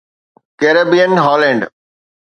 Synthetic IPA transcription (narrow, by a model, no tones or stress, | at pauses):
keːɾəbijənɦɔːlɛ̃ːɳɖ